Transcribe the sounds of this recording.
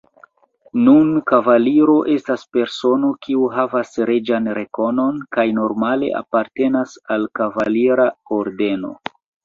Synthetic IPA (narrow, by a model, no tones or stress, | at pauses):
nunkavaliɾo̞ʔe̞staspe̞ɾso̞no̞kʰiuɦavasɾed͡ʒanɾe̞ko̞no̞nkajno̞ɾmale̞̰ʔa̰paɾte̞nasalkavaliɾaoɾde̞no̞̰